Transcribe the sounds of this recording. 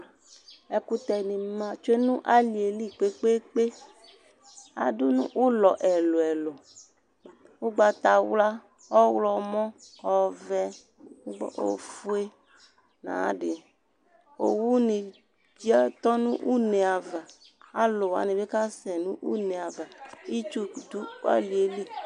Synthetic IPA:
ɛ˨ku˦t̪ɛ˨nĩ˨mã˨t͡ʃo˦e˦nũ˦ʔa˦li˨e˨li˦k͡pe˦k͡pe˦k͡pe˦ | a̰˨du˦nṵ̃˦ʔu˦lɔ˨ʔɛ˨lo˨ɛ˨lo˨ | wu˦ɡ͡ba˨t̪a˨wla˦ | ɔ˦wlɔ˦mɔ̃˦ɔ˨vɛ˧˦ | ɡ͡bɔ̰˨ʔo̰˨fu˦e˦ | nã̰˨˦dɪ˨ | o˨wu˦nĩ˨ | d͡ʒi˦a˦t̪ɔ˦nũ˦ʔu˦ne˨a˨va˨ | a˦lo˨wa̰˨nĩ˨be˦ka˦sɛ˨nũ˦ʔṵ˦ne˨a˨va˨i˦t͡ʃu˦˨du˦a̰˦li˨e˨li˦˨

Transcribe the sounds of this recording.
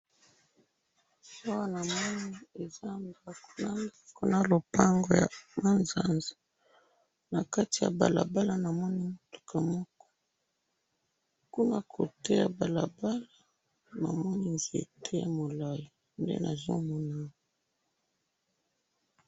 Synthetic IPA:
a˦wa˦na˨mɔ˦ni˦e˨za˦mba˨ko̥˨na˨mba˦ko˦na˨lo˨pa˦ŋɡo˨ja̰˨ma˦nza˨nza˨ | na˨ka˦ti˨ja̰˨ba̰˨la̰˨ba˦la˨na˨mɔ˦ni˦mu˨tu̥˦kʰa˨mɔ˦kɔ̥˦ | ku˦na˦kʰo̰˨te˦ja˨ba˨la˨ba˦la˨ | na̰˨mɔ˦ni˦nzi˨ḛ˨tʰe˦ja̰˨mo˨la˦ja˨ | ndḛ˦nʔa̰˨zo̰˦mɔ˦na˦˨

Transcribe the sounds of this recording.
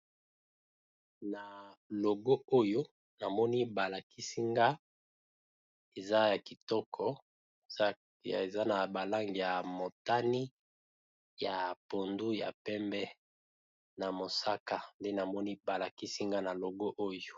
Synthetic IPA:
na˨lo˨ɡo˦o˦jo˦ | na˨mɔ˦ni˦ba˨la˨ki˦si˦ŋɡa˦ | e˨za˦ja˨ki˨tɔ˦kʰɔ˨˦ | a˨e˨za˦na˨ba˨la˦ŋɡi˨ja˨mo˨ta˦ni˦ | ja˨po˨ndu˦ja̰˨pɛ˦mbɛ˦ | na˨mo˨sa˦ka˦nde˦na˨mɔ˦ni˦ba˨la˨ki˦si˦ŋɡa˦na˨lo˨ɡo˦ʔo˦jo˦

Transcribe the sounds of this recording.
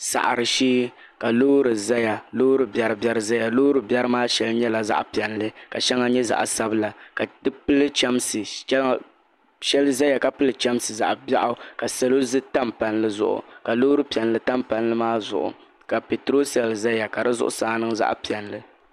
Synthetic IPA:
sa̰˨ʔa̰˨ɾɨ˨ʃiː˦ | ka˨lo˦ɾɨ˨za˦ja˨loː˦ɾɨ˨bjɛ˨ɾɨ˨bɛ˨ɾɨ˨za˦ja˨lo˦ɾɨ˨bɛ˦ɾɨ˦maː˦ʃɛ˨lɨ˦ɲɛ˦la˨za̰˦ʔpi˨ɛ˨nlɨ˦ka˨ʃɛ˦ŋa˦ɲɛ˦za̰˨ʔsa˦bɨ˦la˨ka˨dɨ˦pɨ˦lɨ˦t͡ʃa˦msɨ˨˦˨ | ʃɛ˦lɨ˦za˦ja˨ka˨pɨ˦lɨ˦t͡ʃa˦msɨ˨za̰˨ʔba˦ʔʊ˨ka˨sɛ˨lo˦zɨ˦ta˦mpa˨nlɨ˦zʊ̰˦ʔʊ̰˨ka˨loː˦ɾɨ˦pi˨ɛ˨nlɨ˨ta˦mpa˨nlɨ˦maː˦zʊ̰˨ʔʊ̰˨ | ka˨pɪ˨tɾo˦sɛ˨lza˦ja˨ka˨dɨ˦zʊ̰˦ʔʊ̰˦saː˦nɨ˦ŋza̰˦ʔpi˨ɛ˨n˨lɨ˦

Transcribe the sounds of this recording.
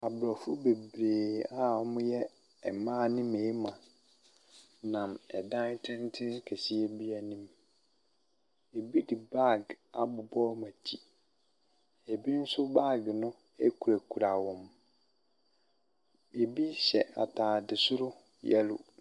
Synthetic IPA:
a˨bɾɔ˨fʊ˦be˨bɾeː˨a˦ɔ˦mʊ̃˦jɛ˦ | ɛ˨mãː˦˨nĩ˦me˨˦mã˨ | nã˨mɛ˨dã˦tʰɪ̃˦n˦tʰɪ˦kʰɛ˨si˦e˦bi˦a˨nĩ˦m | e˨bi˦dɪ˨ba˦˨ɡa˨bʊ˨bɔ˦mã˨tʰi˦ | e˨bi˦n̩˦sʊ˦ba˦˨ɡnʊ̃˦ | e˦kʰu˨ɾæ˨kʰu˨ɾa˨wɔ̃˦m | e˨bi˦ɕɛ˨a̰˨tʰaː˨dɪ˨sʊ˦ɾʊ˦ | jɛ̰˦lʊ˨

